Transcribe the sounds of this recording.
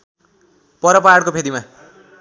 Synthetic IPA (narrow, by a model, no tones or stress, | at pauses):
pʌɾʌpaɽkopʰed̪ima